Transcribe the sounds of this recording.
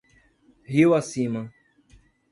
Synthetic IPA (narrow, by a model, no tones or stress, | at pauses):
hiwasĩmɐ